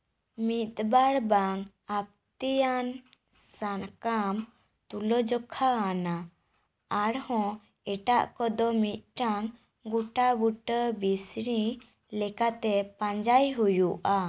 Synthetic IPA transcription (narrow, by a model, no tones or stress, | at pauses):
mit̪̚baɽbaŋ | ap̚t̪ijan | sankam | t̪ulɔd͡ʒɔkʰaːnaː | ɽhɔ̃ | ɛʈa̰ʔkɔd̪ɔmit̪̚ʈaŋ | ɡuʈabuʈəbisɾi | lɛkat̪ɛpãɲd͡ʒajɦujuʔa